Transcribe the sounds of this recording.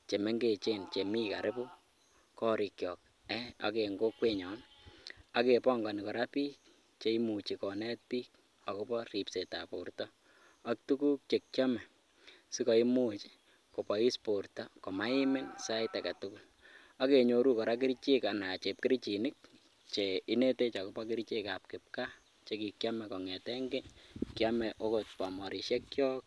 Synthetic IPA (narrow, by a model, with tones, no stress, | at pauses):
t͡ʃe˨me˦ŋɡe˨t͡ʃe˦nt͡ʃe˨mi˦ka̰˨ɾɪ˦pu˦ | kɔ˦ɾi˨kjɔ˨k̚ | ɛ˦a̰˦ke˨ŋɡo˦kweɲɔ˨n | a˨ke˨pɔ˦ŋɡa˨ni˨kɔ˨ɾa˦piː˦k̚ | t͡ʃe˨˦imu˨t͡ʃikɔ˨nɛ˦t̚piː˦k | a˨ku˦pɔ˦ri˨pse˨ta˨po˨rtɔ˦ | a˦k̚tu˦ku˦k̚t͡ʃe˨k̚t͡ʃa˦mɛ˨ | si˦kɔ˨i˦mu˦t͡ʃi̥ | ko˨pɔ˨i˦spo˨ɾtɔ˦ko˨ma˦i˦mɪ˦nsa˦jta˨ka˨tuku˦l | a˦ke˨ɲo˨ɾu˦kɔ˨ɾa˦k̬ɪ˦ɾt͡ʃe˦ka˨na˨t͡ʃe˨p̚kɪ˦ɾit͡ʃi˨nɪ˦k̚ | t͡ʃei˦ne˦te˦t͡ʃa˨ku˦pa˦kɪ˦ɾt͡ʃe˦kap̚kɪ˨p̚ka˦ | t͡ʃe˦ki˨kjamɛ˨kɔ˨ŋɛ˨tɛŋɡe˦kjamɛʔo˦kot̚pa˨mɔ˨ɾi˨ʃe˦k̚kjɔ˦k̚